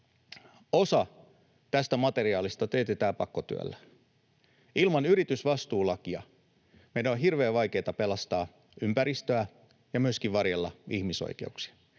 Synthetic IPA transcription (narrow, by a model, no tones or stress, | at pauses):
osɑ | t̪æst̪æmɑt̪e̞riɑːlist̪ɑt̪eːt̪et̪æːpɑkːot̪y̰æ̰lːæ | ilmɑnyɾit̪ysʋɑst̪uːlɑkiɑ | meidæonɦirʋe̞ːʋʋɑjke̞ːt̪ɑpe̞lɑst̪ɑː | ympæɾist̪øæ | jɑmyøskiʋʋɑrjelːɑ̰ihmiso̰ikḛuksi̥ɑ̥